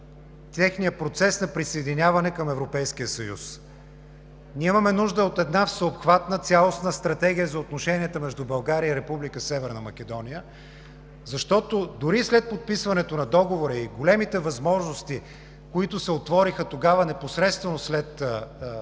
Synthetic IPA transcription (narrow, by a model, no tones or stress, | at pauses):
t̪ʲɛxnijəpɾot̪sɛsnɐpɾisɐɛd̪inʲavɐnɛkɐmɛvɾopɛjskijəsɐjṵs | nʲiimɐmɛnuʒd̪əot̪ɛd̪nafsəopxvat̪nət̪sʲalˠosnəst̪ɾɐt̪ɛɡ̟ʲijəzɐot̪noʃɛniət̪əmɛʒd̪ubɐlˠɡaɾiəiɾɛpublikəsɛvɛɾnəmɐk̟ɛd̪ɔnijə | zɐʃt̪ɔt̪od̪ʊɾislɛt̪̚pot̪̚pisvɐnɛt̪onɐd̪ɔɡovoɾəiɡolɛmit̪ɛvɐzmɔʒnost̪i | koit̪ʊsɛot̪vɔɾixət̪oɡavənɛposɾɛt̪st̪vɛnoslɛt̪